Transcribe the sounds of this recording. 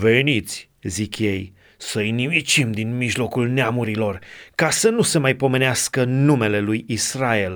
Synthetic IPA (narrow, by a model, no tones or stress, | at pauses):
ve̞nit̪sʲ | zikje̞j | səinimit͡ʃimd̪inmiʒlo̞kulneamuɾilo̞rkasənuse̞majpo̞me̞neaskənume̞le̞lujisrae̞l